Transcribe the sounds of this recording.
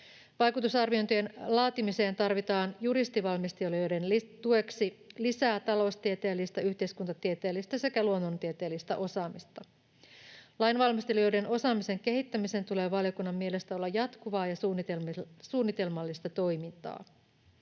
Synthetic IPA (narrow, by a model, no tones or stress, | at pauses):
ʋɑjkut̪usɑrʋio̞nt̪yenlɑːt̪imiseːnt̪ɑrʋit̪ɑːnjuɾist̪iʋɑlmist̪ioliojdent̪ue̞ksilisæːt̪ɑlo̞ust̪iet̪eːlːist̪æyçt̪eiskunt̪ɑt̪iet̪eːlːist̪æse̞kæluonːont̪iet̪e̞ːlːist̪æ̰ʔo̞sɑːmist̪ɑ | lɑjnʋɑlmist̪elijo̞jde̞no̞sɑːmise̞ŋke̞ɦit̪ːæmise̞nt̪ule̞ːʋɑljo̞kunːɑmːie̞lest̪æo̞lːɑjɑt̪kuʋɑːjɑsnesuːnːit̪e̞lmɑlːist̪ɑt̪o̞jmint̪ɑ̰ː